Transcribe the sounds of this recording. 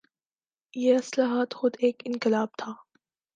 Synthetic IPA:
jeɐslaːɦaːt̪xʊd̪eːkɪnqɪlaːb̚t̪ʰaː

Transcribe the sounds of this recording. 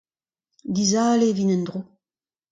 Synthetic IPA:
d̪izaːlevinɛnd̪ʁu

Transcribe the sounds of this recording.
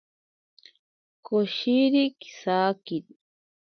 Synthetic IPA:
koʃiɾiki̥sakiɾi

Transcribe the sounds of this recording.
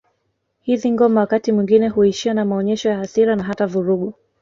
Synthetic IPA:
hiðiŋɡɔmawakatimwiŋɡinɛhuiʃianamaɔɲɛʃɔjaɦaθiɾanaɦatavuɾuɠu

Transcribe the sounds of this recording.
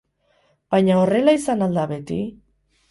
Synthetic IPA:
b̥ajɲaore̞laisanald̪aβe̞t̪i

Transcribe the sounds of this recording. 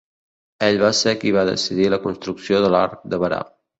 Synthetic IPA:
eʎβasekiβ̞aðə̰siðiləkunst̪ɾuksioðəla̰ɾk̚d̪əβəɾa̰

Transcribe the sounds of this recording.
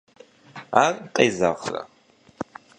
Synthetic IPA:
arqʼeːzaʁrɐ̰

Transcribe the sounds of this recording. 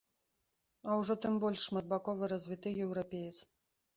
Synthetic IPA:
ɐwʐɔt̪ɨmbɔlʲʂːmɐd̪̚bakɔvɨɾɐzʲvʲit̪ɨjɛwɾapʲejut̪s

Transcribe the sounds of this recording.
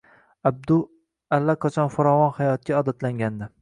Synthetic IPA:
ab̚d̪ʊ | alːaqʰɒt͡ʃʰɒnfaɾɒvɒnhajɒt̪̚kʲaɒd̪at̪laŋɡʲand̪ɪ

